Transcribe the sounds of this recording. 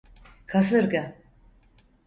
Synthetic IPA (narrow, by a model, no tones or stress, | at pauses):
kʰas̬ɯɾɡa